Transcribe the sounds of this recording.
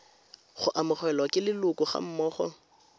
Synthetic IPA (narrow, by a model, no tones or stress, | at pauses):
χʊʔamʊχwɛlwɔkʼɪlɪlʊkʼʊχa̰m̩mɔːχɔ̰